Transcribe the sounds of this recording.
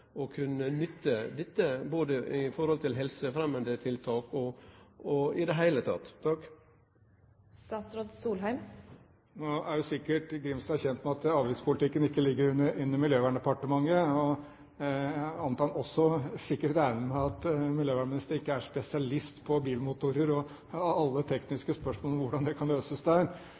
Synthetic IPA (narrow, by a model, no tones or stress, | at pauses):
ɔkʰʉnːənʏt̪ːəd̪ɛt̪ːəboːd̪əɪfɔɾhɔlt̪ʰɪlɦɛlsəfɾɛmənd̪ət̪ʰɪlt̪ʰɑːkɔɔɪd̪ɛɦæɪlət̪ʰɑ̰t̪ːʰɑkː | st̪ɑːt̪sɾɑd̪suːlɦæɪm | noæɾjʊsɪkːəʈɡɾɪmst̪ɑːçɛnt̪mɛɑt̪ɑːʋɪspʰʊlt̪ʰɪkːənɪkːəlɪɡːəɾʉnəʉnːəmɪljøːʋæːɳɛpɑʈəmɑŋːəɔ | ɑnt̪ɑːɑnɔsːɔsɪkːəʈæɪnəmɛɑt̪mɪljøːʋæːɳmɪnɪst̪əɾəɾɪkːəæʂpɛsɪɑlɪst̪pʰɔbiːlmʊt̪ʊɾəɾɔ | ɑlːət̪ʰɛknɪskəspœʂmolɔmʋʊɖɑnd̪ɛkʰɑnløːsəsd̪æːɾ